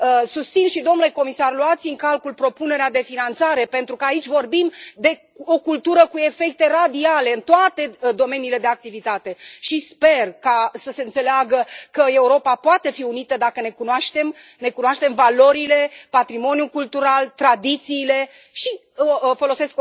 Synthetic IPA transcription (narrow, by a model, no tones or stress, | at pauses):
əsust̪sinʃid̪omnuleko̞misarloat̪sɨŋkalkulpɾo̞pune̞ɾead̪e̞finant̪saɾe̞pe̞nt̪ɾukəait͡ʃʲvo̞rbimd̪e̞ | o̞kult̪uɾəkue̞fe̞k̚t̪e̞rad̪iale̞ɨnt̪oat̪e̞d̪o̞me̞niːle̞d̪eak̚t̪ivit̪at̪e̞ʃispe̞rkasəse̞ɨnt̪se̞leaɡəkəe̞uɾo̞papoat̪e̞fiunit̪əd̪akəne̞kunoaʃt̪e̞m | ne̞kunoaʃt̪e̞mvalo̞ɾile̞pat̪ɾimo̞nijukult̪uɾalt̪ɾad̪it̪siːle̞ | ʃi | fo̞lo̞se̞sk